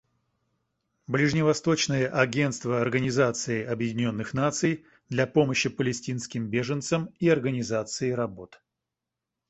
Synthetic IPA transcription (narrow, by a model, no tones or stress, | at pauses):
blʲɪʐnʲɪvɐst̪o̞t͡ɕnəɨjəʔɐɡʲe̞nt̪st̪vəɐrɡənʲɪzat̪sɨɪɐbjɪdʲɪnʲo̞nːɨxnat̪sɨj | d̪lʲapo̞məɕːɪpəlʲɪsʲtʲinskʲɪmbʲe̞ʐənt̪səmiɐrɡənʲɪzat̪sɨɪɾɐbo̞t̪